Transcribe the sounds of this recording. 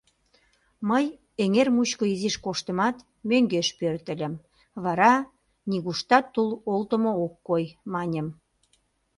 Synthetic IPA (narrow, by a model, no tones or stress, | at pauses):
məj | eŋermut͡ɕkoiziʃkoʃt̪ə̆mɑt̪ | møŋɡeʃpørt̪ə̆lʲə̆m | βɑɾɑ | nʲiɣuʃt̪ɑt̪ːulolt̪əmookːojmɑnʲə̆m